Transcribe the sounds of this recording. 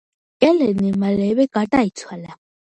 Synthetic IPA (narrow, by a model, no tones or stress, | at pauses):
kʼɛlɛnɪmalɛβɛkʼatʼaitʰwala